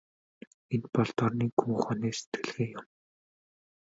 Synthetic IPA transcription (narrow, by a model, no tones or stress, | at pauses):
enpɔɮt̪ɔrniːkʰuŋχɔːniːse̥t̪ɡɘ̆ɮɣeːjʊm